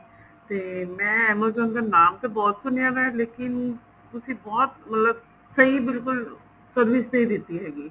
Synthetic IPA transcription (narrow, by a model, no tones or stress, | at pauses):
t̪eːmɛ̃ːɛːməzə̃nd̪aːnaːmt̪ebɔːt̪sʊnɪjãːʋɛːleːkɪn | t̪ʊsĩːbɔːt̪̚mət̪ləb̚ | səiːbɪlkʊl | səɾʋiːsnəĩd̪ɪt̪ːiːɦɛːɡiː